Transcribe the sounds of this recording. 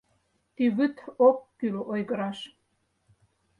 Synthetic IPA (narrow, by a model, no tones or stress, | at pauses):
t̪yβyt̪okːylʔojɣɤ̆ɾɑʃ